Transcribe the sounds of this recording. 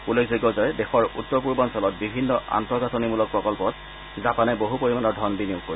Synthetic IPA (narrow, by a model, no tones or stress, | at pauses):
ulekʰziɡɔzɔjɛdexɔɹṵtːɔɹpuɹbɔnsɔlɔt̚bibʱinːɔʔa̰ntɔɡatɔnimulɔk̚pɹɔkɔlpɔt | zapanɛboɦupoɹimanɔɹdʱɔnbiniukkːoɹi